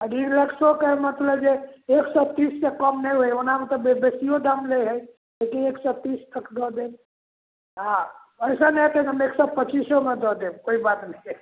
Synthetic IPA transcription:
əɡiɾləksokemət̪ləbd͡ʒeeksɔt̪issekəmnəjɦojonamet̪ɔbebesijod̪amleɦəj | lekineksɔt̪ist̪ʰəkd̪ɔd̪en | a | əjsənɛt̪enɦəmeksɔpət͡ʃisomed̪ɔd̪ebkoibat̪nəj

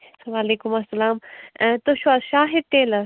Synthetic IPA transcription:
ʋaːleːkʊmɐsːɐlaːmt̪oʃʋaːzʃaːɦɪd̪̚ʈ̪eːlɐ

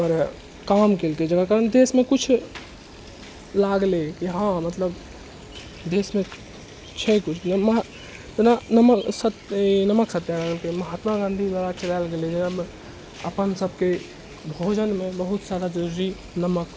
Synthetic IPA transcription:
ɔɾ | kamkelked͡ʒəkakaɾənd̪esmekut͡ʃʰ | laɡlekiɦãmət̪ləb | d̪esmẽ | t͡ʃʰɛkut͡ʃʰnmɦ | t̪nanəməsət̪nəməksət̪ːjalaɡəlkeməɦat̪maɡãnd̪ʱid̪waɾat͡ʃʰelalɡeled͡ʒəɡa | əpənsəbʱke | bʱod͡ʒənmebəɦut̪saɾad͡ʒəɾuɾi | nəmək

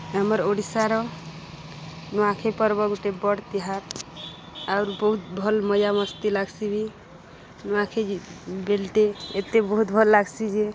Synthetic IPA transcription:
ɦəməɾoɽisaɾɔ | nuãkʰepəɾbəɡoʈebəɽt̪iɦaɾ | auɾbəɦut̪̚bʱəlməjaməst̪ilaɡsibʱi | nuãkʰebelʈeet̪ebəɦut̪bʱəlːaɡsid͡ʒe

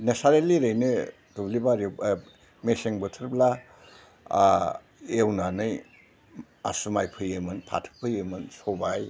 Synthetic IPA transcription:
nesaɾeliɾɯjnɯ | dublibaɾi | meseŋbɯtʰɯɾbla | ewnanɯj | a̰sumajpʰɯjɯmɯnpʰa̰tʰɯ̥k̚pʰɯjɯmɯnsobaj

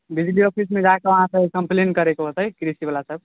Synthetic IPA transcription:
bid͡ʒliɔpʰis̬mẽd͡ʒaekeʋəɦãsəbkəmplenkəɾekoɦot̪əjkɾisibalasəb

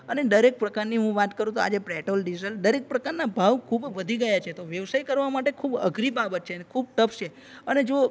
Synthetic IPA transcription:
əneɖəɾek̚pɾəkaɾniɦũʋat̪kəɾũt̪oa̰d͡ʒepɾɛʈolɖid͡ʒiəlɗəɾek̚pɾəkaɾnabʱaʋkʰubʋəd̪ʱiɡəjat͡ʃʰet̪oʋjəʋsajkəɾʋamaʈekʰubə̰ɡʱɾibabət̪̚t͡ʃʰenekʰub̚t̪əfʰt͡ʃʰe | əned͡ʒo

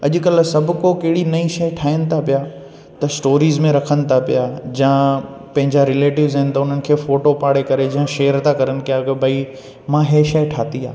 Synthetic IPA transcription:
ɐʄʊ̆kɐlsɐbʱʊkokɐɦɪɽinɐĩʃɐjʈʰaːɪənɪ̆t̪ʰapijaː | t̪ɐsʈoːɾiːzmẽɾɐkʰənɪ̆t̪ʰapijaːd͡ʑãːpɐ̃ɦɪ̃ɲd͡ʑaɾɪleːʈɪʋzɦɪnɪ̆t̪ɐʊn̤ənɪ̆kʰeːfoːʈopaːɽekɐɾed͡ʑɐ̃ãʃeːɾt̪ʰakɐɾənɪ̆kɪjaɡebʱɐi | mãɦeːʃɐjʈʰaːt̪ia̰ː

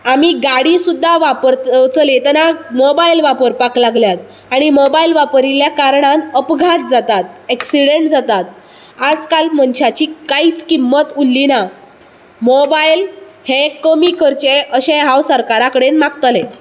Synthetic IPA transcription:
amiɡaɽisud̪ʱːaʋapəɾt͡slet̪ɛnamobailʋapəɾpaklaɡljat̪̚ | aɽ̃imobailʋapəɾiljakaɾɳanəpɡʱat̪̚d͡zat̪at̪eksiɽeɳʈd͡zat̪at̪̚ | ad͡zkalməɳɕat͡ɕiːkaiːt͡skimːət̪ulːina | mobail | hekəmikəɾt͡ɕeʔəɕẽɦawsəɾkaɾakəɽenmakt̪əlẽ

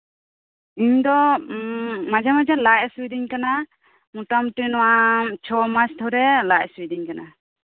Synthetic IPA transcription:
iɲd̪ɔ | mad͡ʒamad͡ʒalajswid̪iɲkana | muʈamʈinɔwat͡ʃʰɔmat͡ʃt̪ʰɔɾɛlaʔswid̪iɲkana

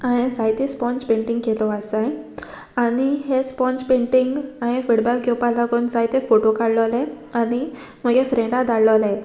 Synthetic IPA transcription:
aɽ̃esajt̪espɔ̃nspẽɳʈiŋɡkelɔəsaj | aniɦespɔnt͡spẽɳʈiŋɡaɽ̃efiɽbakkjopalaɡonsajt̪efoʈokaɽlɔlɛ̃ | añi | m̤əɡefɾẽɳɖad̪aɽləlẽ

